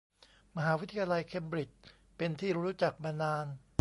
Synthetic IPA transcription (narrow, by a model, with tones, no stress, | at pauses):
ma˧ɦaː˩˦wi˦˥t̪ʰa˧jaː˧la˧jkʰe˧mbɾi˨˩t͡ɕ̚ | pe˧nt̪ʰiː˥˩ɾuː˦˥ɾu˦˥t͡ɕa˨˩k̚maː˧naː˧n